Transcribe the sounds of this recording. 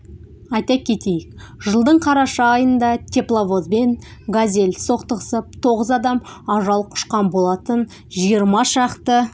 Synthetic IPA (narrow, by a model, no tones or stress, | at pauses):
ɑjt̪ɑkʲʰe̞t̪e̞jɪk̚ʒəlˠd̪əɴqʰɑɾɑʃɑːjənd̪ɑt̪ʲʰeplˠavo̞zbe̞n | ɡazʲelʲso̞qt̪əʁəsəp̚t̪ʰo̞ʁəzɑd̪ɑmɑʒɑlˠqʰʊ̥ʃqɑnbo̞lˠɑt̪ən | ʒijəɾmɑʃɑqt̪ə